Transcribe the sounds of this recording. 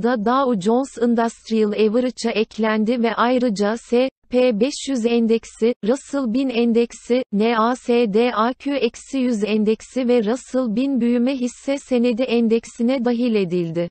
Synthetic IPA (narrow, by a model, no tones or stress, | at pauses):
d̪ad̪aud͡ʒonsɯnd̪ast̪ɾijɯlˠevɯɾɯt͡ʃʰaʔɛclʲænd̪ivɛʔajɾɯd͡ʒaseːpʰeːbɛʃjyzɛnd̪ɛcsiɾasɯlˠbinɛnd̪ɛcsineaseːd̪eːacʰøɛcsijyzɛnd̪ɛcsivɛɾasɯlˠbinbyjymɛɦisːɛse̞ne̞d̪iɛnd̪ɛcsinɛd̪aɦilʲe̞d̪ilʲd̪ɪ